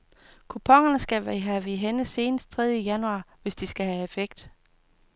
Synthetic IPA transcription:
kʰupʰɒ̽ŋɐnəsɡ̥æʋæɦæʋeɦenəse̝ːnəsd̥̚t͡sʰʁɛðˠjəjænuɑ̈ːʋe̝sd̥isɡ̥æɦæefeɡ̥̚d̥

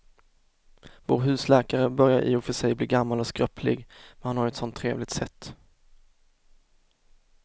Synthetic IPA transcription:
vo̰ːɾɦʉ̟ːslɛːkaɾəbœɾjaɾʔɪ̰ḭːʊfœʂɛjbliːɡamːalɔskɾœpʰlɪ̰ɡmɛnhanhaɾɛt̪sɔnt̪ʰːɾeːvlɪɡ̚t̪sɛt̪ː

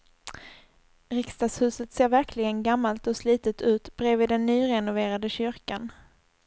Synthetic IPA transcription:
ɾɪkst̪ashʉ̟ːsət̪seːɾvæɾkʰlɪɡənɡamːalt̪ɔsliːt̪ət̪ʰʉ̟ːt̪bɾɛviːd̪ɛnːyːɾɛnʊveːɾad̪əɕʏɾkan

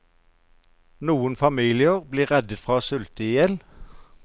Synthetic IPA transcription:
nuːənfɑmiːlɪəʁbliːʁɛd̪ət̪fʁɑːsʉlt̪əiɛl

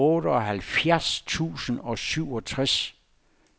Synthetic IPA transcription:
ɔːɾəɒ̽ɦælfjæɐst͡sʰṵːsən̩ɒ̽syʊ̰ɒt͡sʰʁas

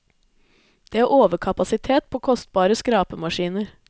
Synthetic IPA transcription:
d̪̥eːæːʔoːʋəkʰɑpɑsɪt̪ʰeːt̪̚pʰoːkʰɔst̪̚bɑːɾəskɾɑːpəmɑʃiːnəɾ

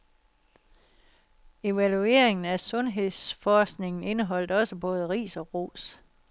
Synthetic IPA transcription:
e̝ʋælue̝̰ɐe̝ŋn̩æsɔ̽nɦe̝ð̰ˠsfɒːsɡ̥ne̝ŋn̩e̝nəɦɒ̽l̰d̥ɒ̽səb̥ɔ̽ːð̞ˠəʁḭːsɒ̽ʁo̝̰ːs

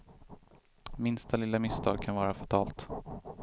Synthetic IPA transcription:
mɪnst̪ʰalɪlːamɪst̪ʰɑ̰ːɡ̚kʰanvɑːɾafat̪ʰɑːlt̪

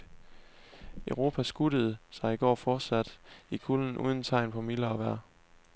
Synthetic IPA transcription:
œʊʁo̝ːpʰæsɡ̥uɾ̥əð̞̩ˠsɑ̈ɪiɡ̥ɒ̰ːfɒːd̥sæd̥ikʰuln̩ʔṵːð̞ˠn̩t͡sʰɑ̈ɪnpʰɒ̽milɐɒʋæɐ̰

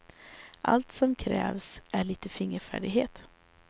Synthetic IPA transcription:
ʔa̰lt̪sɔmkʰɾɛːvsʔæɭiːt̪əfɪŋːəɾfæ̰ːɖɪɡheːt̪

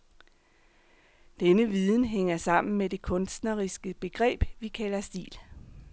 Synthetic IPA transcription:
d̥enəʋiðˠn̩ɦeŋ̰ɐsɑ̈m̰n̩mede̝kʰɔ̽nsd̥nɐʁisɡ̥əb̥e̝ɡ̥ʁɛ̰ːb̥ʋikʰælɐsd̥ḭːl

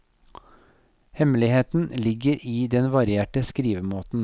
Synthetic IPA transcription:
hɛməlɪheːt̪n̩lɪɡəɾʔiːd̪ɛnʋɑɾɪeːʈəskɾiːʋəmoːt̪n̩

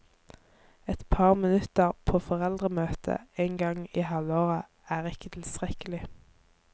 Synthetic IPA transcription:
ɛt̪pʰɑːʁmɪnʉt̪əʁpʰoːfɔʁɛld̪ʁəmøːt̪ʰə̰eːŋɡɑŋiːhɑloːʁə | æːʁɪkət̪ʰɪl̩st̪ʁɛkəlɪ

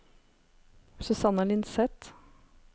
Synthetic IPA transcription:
sʉsɑnəlɪnsɛt̪

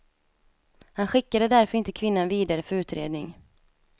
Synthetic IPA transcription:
hanɧɪkːad̪əd̪æɾfœɾɪnt̪əkʰvɪnːanviːd̪aɾəfœɾʉ̟ːt̪ɾḛːd̪nɪŋ

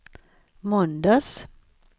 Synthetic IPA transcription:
mɔnd̪ɑs

